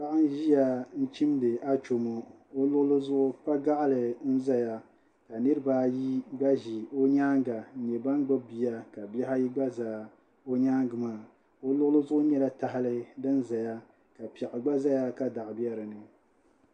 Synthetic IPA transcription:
pa˦ʔa˦n˦ʒi˦ja˨n̩˦t͡ʃi˦mdɨ˨a˦t͡ʃo˨mo˨ | o˦lʊ˦ʔʊ˦lɨ˦zʊ˦ʔʊ˦pa˦ɡa˦ʔlɨ˨n̩˦za˦ja˦ | ka˨nɨ˦ɾɨ˦baː˦ji˦ɡ͡ba˦ʒi˨o˦ɲaː˦ŋɡa˨n̩˨ɲɛ˨ba˦n˦ɡ͡ba˦bi˨ja˦ka˨bɛ˦ɦa˦ji˦ɡ͡ba˦zaː˨ | o˦ɲaː˦ŋɡɨ˨maː˦˨ | o˦lʊ˦ʔʊ˦lɨ˦zʊ˦ʔʊ˦ɲɛ˦la˦ta˨ɦɪ˦lɨ˦dɨ˦nza˨ja˦ | ka˨pɛ˨ʔɨ˨ɡ͡ba˦za˦ja˦ka˦da˨ʔbjɛ˦ɾɨ˨nɨ˨

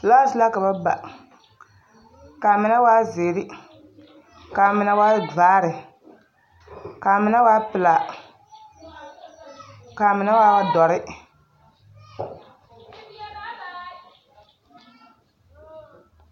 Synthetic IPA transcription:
la˦sla˦ka˨ba˦ba̰˨ | ka˨mɪ˨na˦waː˦zeː˨ɾi˦ | ka˨mɪ˨na˦wa˦vaː˦ɾɪ˨ | kaː˨mɪ˨na˦waː˦pɪ˨la˨ | ka˨mɪ˨na˦waː˦wa˦dɔ˨ɾɪ˦

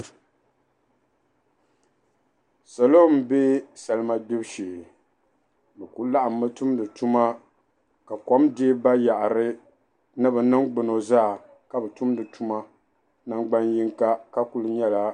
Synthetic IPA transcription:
sa˨lo˦m˨be˦sa˨lɨ˦ma˦dʊ˦bʃi˨ | bɛ˨ku˦la˦ʔa˨mː˦ɨ˦tu˦mdɨ˨tu˦ma˦ | ka˨kɔ˦mdɪ˦ba˦ja˨ʔɾɨ˦ | nɨ˦bɨ˨nɨ˦ŋɡ͡bɨ˨no˨zaː˦˨ | ka˦bɛ˨tu˦mdɨ˨tu˦ma˦ | na˦ŋ͡mɡ͡ba˦nji˦ŋka˦ka˦ku˨lɨ˦ɲɛ˦la˦

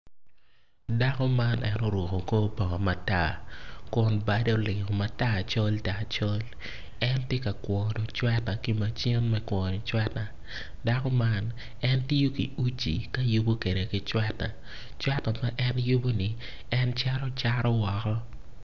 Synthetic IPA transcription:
da˦kɔ˦ma˦nʔɛ˦no˦ɾwɔ˨ko˨ko˦pɔ˨ŋɔ˨ma˨ta̰˦˨kʊ˨nba˦de˦o˨lɪ˨ŋo˨ma˦ta˦˨t͡ʃɔ˦lta˨t͡ʃo˦l | ɛ˦ntje˦ka˨kwɔ˨dɔ˨t͡ʃwɛ˦ta˨ki˦ma˨t͡ʃi˦nmɛ˦kwɔ˨ni˨t͡ʃwɛ˦ta˨ | da˦kɔ˦ma˦n | ɛ˦nti˦jo˦kḭ˨u˦t͡ʃḭ˨ka˦ju˦bo˦ke˨de˨kɪ˦t͡ʃwɛ˦ta˨ | t͡ʃwɛ˦ta˨ma˦ʔɛ˦nju˦bo˦ni˨ | ɛ˦nt͡ʃa˦ɾɔ˦t͡ʃa˦ɾɔ˦wɔ˨kɔ˦

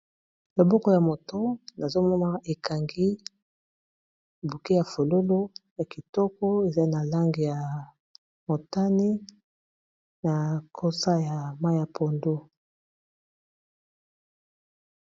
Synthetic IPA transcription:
lo˨bɔ˦kɔ˦ja˨mo˨tɔ˦na˨zo˦mɔ˦ma˦ʔe˨ka˨ŋɡi˦˨ | bu˨ki˦ja˨fo˨lo˦lo˦ja˨ki˨tɔ˦kɔ˦e˨za˦na˨la˦ŋɡi˨ja˨ | mo˨ta˦ni˦ | na˨kʰo˦sa˦ja˨ma˦ja˨pʰo˨ndo˦

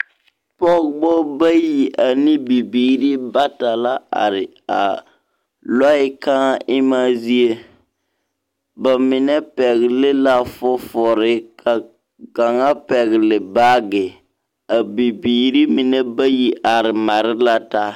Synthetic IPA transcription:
pɔ˦ɡɡ͡bɔ˦ba˦ji˨ʔa˨ni˦bi˨biː˦˨ɾi˦ba˦ta˨la˦a̰˨ɾɪ˨ | a˨ | lɔ˦ɪ˦ka˦ʔɪ˦ma˦zi˦e˦ | ba˨mɪ˨nɛ˦pɛ˨ɣɪ˨lɪ˦la˦fɔ˦fɔ˨ɾɪ˦kʰa˨ | ɡa˨ŋa˦pɛ˨ɣɪ˨lɪ˨baː˦ɡɪ˨ | a˨bi˨biː˨ɾi˦mi˨nɛ˦ba˦ji˨ʔa˨ɾɪ˨ma˨ɾɪ˦la˦ta˦

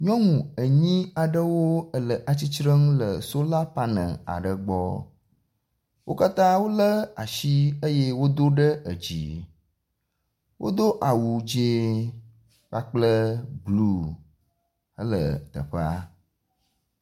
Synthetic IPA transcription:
ɲɔ̃˦ŋũ˨ə˨ɲĩ˦a˨ɖə˦wo˦ə˦lə˨ʔa˨t͡ɕi˦t͡ʃɾə˦ŋ˦lə˨so˦la˦pa˦nə̰̃˨a̰˨ɖə˨ɡ͡bɔ̰˦ | wʔo˦ka˦t̪ã˦wo˦lə˦a˨ʃi˦ə˦je˦wo˦d̪o˦ɖə˦ə˨d͡ʑḭ˨ | wʔo̰˦d̪o˦ʔa˨wu˨d͡ʒe˦ | k͡pa˦k͡plə˦blu˦ | ə˦lə̰˨t̪ə̰˨ɸa̰˦

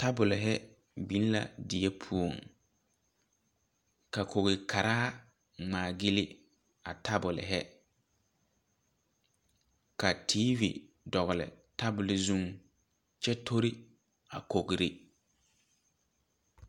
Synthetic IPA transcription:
ta˦bʊ˨lɪ˨ɦɛ˦ | bĩ˨˦n˦la̰˨dɪ˨ɛ˦pʰu˦o˨ŋ | ka˨kʰo˨ɣɪ˨kʰa˨ɾaː˦ | ŋ͡maː˨ɡi˦lɪ˦ | a̰˨tʰa˦bʊ˨lɪ̰˨ɦɛ˦ | ka˨tʰiː˦vḭ˨ | dɔ˨ɣʊ˨lɪ̰˨ | ta˦bʊ˨lɪ˨zu˦ŋ | t͡ʃɛ˦tʰo˦ɾɪ˦ | a̰˨ko˨ɡɾɪ˨

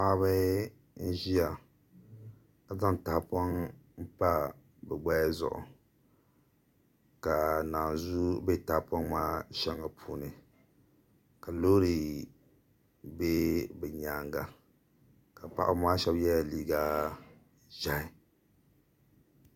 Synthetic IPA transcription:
aː˦βɨ˦ | n̩˦ʒi˦a˨ | a˨za˦n˨taː˨pɔ˦ŋm̩˦pa˦ | bɛ˨ɡ͡ba˦ja˦zʊ̰˨ʔʊ̰˨ | ka˨naː˨nzu˦bɛ˦˨ta˨pɔ˦ŋmaː˦ʃɛ˦ŋa˨pʰuː˦nɨ˨ | ka˨loː˦ɾi˨ | be˦bɛ˨ɲaː˨ŋɡa˨ | ka˨pa̰˦˨ʔʊ˦maː˦ʃɛ˦bjɛ˦ja˨liː˦ɡa˦ | ʒa˦˨ɪ˨

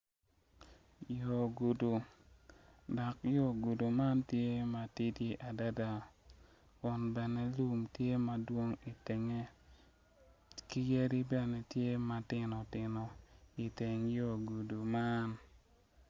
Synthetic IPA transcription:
jo˨ɡu˨du˨ | dɔ˨kjo˦˨ɡu˨du˨ma˦ntje˦ma˨ti˦di˦ʔa˨da˦da˨ | kɔ˨nbɛ˨nɛ˦lu˦mtje˦ma˨dwo˦ŋi˨te˨ŋe˦ | ki˦je˦ɾi˦bɛ˨nɛ˨tje˦ma˨tɪ˦˨nɔ˨tɪ˨nɔ˨i˨te˨ŋjo˦˨ɡu˨du˨ma˦n

